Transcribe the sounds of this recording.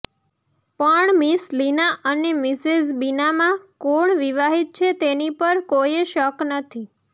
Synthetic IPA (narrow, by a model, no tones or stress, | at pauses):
pəɳmislinaʔənemɪsezbinamãkoɳʋiʋaɦit̪̚t͡ʃʰet̪enipəɾkojeʃəknət̪ʰi